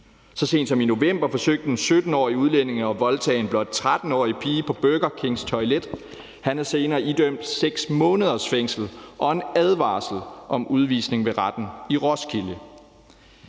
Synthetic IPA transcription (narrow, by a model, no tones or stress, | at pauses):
sɒ̽se̝̰ːnd̥sɒ̽mino̝ʋem̰b̥ɐfɒ̽søɡ̥̚d̥ənsød̥n̩ɒ̰ːiuð̞ˠlen̰e̝ŋɒ̽ʋɒ̽lt͡sʰɛ̰ːe̝nb̥lɒ̽d̥̚t͡sʰʁad̥n̩ɒ̰ːipʰiːpʰɒ̽b̥øɡ̥ɐkʰe̝ŋst͡sʰɒ̽ɪled̥ | hænhæse̝ːnɐːid̥øm̰d̥seɡ̥smɔ̽ːnəð̞ˠɐsfeŋ̰sl̩ʔɒ̽e̝næð̞ˠʋɑ̰̈ːsl̩ʔɒ̽mʔuð̞ˠʋḭːsne̝ŋʋe̝ʁɑd̥n̩iʁɒskʰiljə